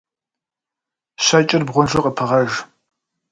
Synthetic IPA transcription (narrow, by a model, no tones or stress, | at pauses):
ɕat͡ʃʼɪrbʁʷʊnʒɨqʼəpʰɨʁɐʒ